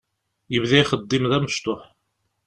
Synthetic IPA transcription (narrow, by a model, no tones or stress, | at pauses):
jəvðæjχəd̪ˤːimðæməʃt̪ʊħ